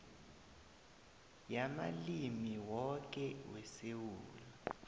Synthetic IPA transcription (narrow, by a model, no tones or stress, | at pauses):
jama̰limiwɔk̬ʼɛwɛsewuːla